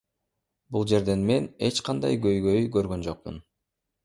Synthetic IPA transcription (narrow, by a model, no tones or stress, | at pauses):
bulˠd͡ʒe̞ɾd̪e̞nme̞ne̞t͡ʃqɑnd̪ɑ̰jɡø̞jɡøjɡøɾɡø̞nd͡ʒo̞q̚mṵn